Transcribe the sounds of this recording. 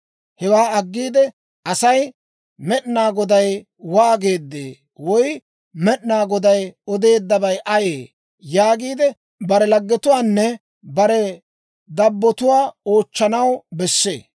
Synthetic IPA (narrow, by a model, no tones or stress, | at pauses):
hɛwaːɐɡːiːd̪ɛ | ɐsɐj | mɛɗnaːɡɔd̪ɐj | waːɡe̞ːd̪ːḛː | wɔj | mɛɗnaːɡɔd̪ɐjɔd̪e̞ːd̪ːɐbɐjʔɐjeː | jaːɡiːd̪ɛ | bɐɾɛlɐɡːɛt̪ʊwaːnːɛ | bɐɾɛ | d̪ɐbːɔt̪ʊwaːo̞ːt͡ʃːɐnɐwbɛsːḛː